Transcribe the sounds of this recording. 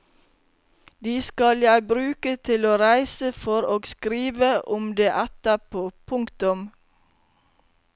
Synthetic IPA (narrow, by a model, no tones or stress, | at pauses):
d̪iːskɑljæɪbɾʉːkət̪ʰɪloːɾæɪsəfɔɾoːɡskɾiːʋəʔʊmd̪eːʔæt̪əpʰoːpʰʊŋkt̪ʊm